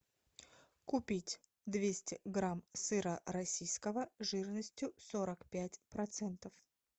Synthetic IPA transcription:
kʊpʲitʲ | d̪vʲesʲtʲɪɡɾamsɨɾəɾɐsʲijskəvəʐɨrnəsʲtʲjʊsoɾəkpʲætʲpɾɐt̪sɛnt̪əf

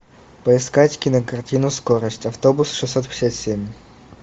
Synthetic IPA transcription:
pəɪskatʲkʲinəkɐrtʲinuskoɾəsʲtʲɐft̪obusʂɨsːot̪pʲɪ̥sʲat̪sʲemʲ

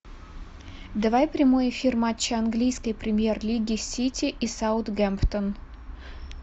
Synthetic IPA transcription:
d̪əvajpɾʲɪmojɪfʲirmat͡ɕːɪɐnɡlʲijskəjpɾʲɪmʲjerlʲiɡʲɪsʲitʲɪʔisaʊt̪ɡʲɛmpt̪ən

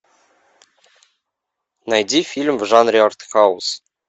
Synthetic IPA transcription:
næjdʲifʲilʲmvʐɑnrʲeart̪χɑwus

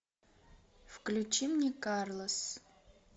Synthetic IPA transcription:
fklʲut͡ʃimnʲekʼarlˠos

